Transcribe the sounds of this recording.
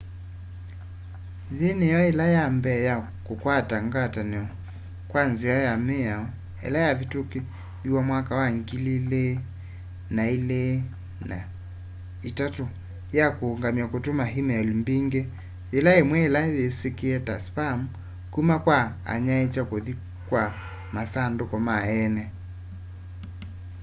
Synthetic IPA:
ðinijɔɛlajambɛja | kukwataŋɡatanɛɔ | kwanziajamɛaɔ | ɛ̰lajavituki | iwamwakawaŋɡilile | naile | na̰ | itato | jakuːŋɡamiakotumaɦimɛɔlimbiŋɡe | jelaemwɛːlajesekiɛtaspamu | kumakwa | a̰ɲaet͡ʃakoði | kwa | masandokɔmaɛnɛ

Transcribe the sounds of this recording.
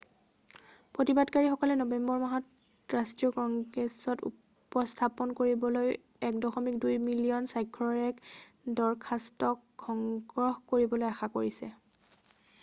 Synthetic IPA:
pɹotibadkaɹixɔkɔlɛnɔbɛmbɔɹmaɦɔt | ɹastɹijɔkɔŋɡɛsɔtṵ | pɔstʰapɔnkoɹibɔloj | ɛkdɔxɔmikdujmilijɔnsajkʰɹɔɹɛkdɔɹkʰastɔkkʰːɔŋɡɹɔhkoɹibɔlojaxakoɹisɛ

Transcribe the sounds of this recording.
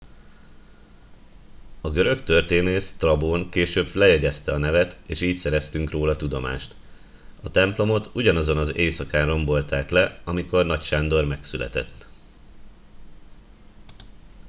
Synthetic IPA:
ɒɡøɾø̞kt̪ø̞rt̪eːneːst̪rɒboːŋkeːʃøːbflɛjɛɟɛst̪ɛɒnɛvɛt̪eːʃiːcsɛɾɛst̪yŋkroːlɒt̪ud̪o̞ma̰ːʃt̪ | ɒt̪ɛmplo̞mo̞t̪uɟɒnɒzo̞nɒzeːsɒkaːnro̞mbo̞lt̪aːklɛɒmiko̞rnɒcʃaːnd̪o̞rmɛksylɛ̰t̪ɛ̰t̪ː

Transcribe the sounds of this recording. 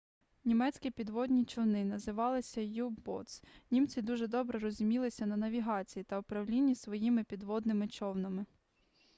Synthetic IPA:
nʲimɛt͡sʲkʲipʲid̪ʋɔd̪ʲnʲit͡ʃɔwnɪnɐzɪʋɑlˠɪsʲɐjubbɔ̰t̪snʲimt͡sʲid̪uʒɛd̪ɔbɾɛɾɔzʲʊmʲilˠɪsʲɐnɐnɐʋʲiɦɑt͡sʲijit̪ɐʊpɾɐwlʲinʲːisʋɔjimɪpʲid̪ʋɔd̪nɪmɪt͡ʃɔwnɐmɪ

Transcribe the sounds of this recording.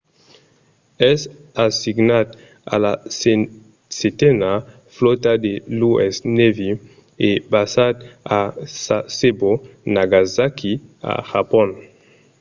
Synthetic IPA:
ɛsasiɡnat̪ | a̰la | setɛna | flot̪ad̪eluɛsnevi | ebasad̪asasebonaɡazakia̰ʒapɔ̃n

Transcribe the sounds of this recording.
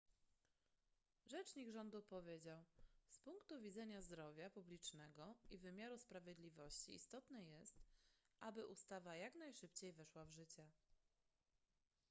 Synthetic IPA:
ʐɛt͡ʂɲiɡʐɔnd̪upɔvʲjed͡ʑawspuŋkt̪uvʲid̪zɛɲazd̪ɾɔvʲjapublʲit͡ʂnɛɡɔivɘmʲjaɾuspɾavʲjed̪lʲivɔɕt͡ɕḭːst̪ɔt̪nɛjɛst̪ʔabɘʔust̪avajaknajʂɘpt͡ɕejvɛʂwavʐɘt͡ɕɛ

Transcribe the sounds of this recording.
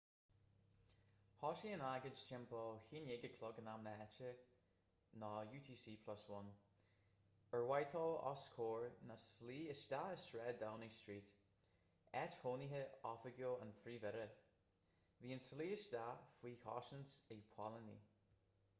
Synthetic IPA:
hɔʃiənaɡə̥d͡ʒt͡ʃʰɛmpʰɔhiːnjɪɡəkʰlʊɡənamnəɛt͡ʃə | nɔjuːtʰiːsiːpʰlɔswʊn | əɹwajtʰɔlɔ̰skʰoːɹnasliːɪsd̥aɪsɹɛdawnistɹiːt | ɛthoːniɦəɔfəɡjoːənθɾiːvɛɾə | viːənsliːɪsd̥̪afwiːkʰɔ̰ʃənsɪpʰw̥alənḭ

